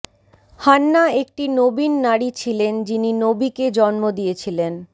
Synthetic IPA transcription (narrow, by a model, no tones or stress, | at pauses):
hanːaek̚ʈinobinːaɽit͡ɕʰilend͡ʑininobiked͡ʑɔnmod̪ijet͡ɕʰilen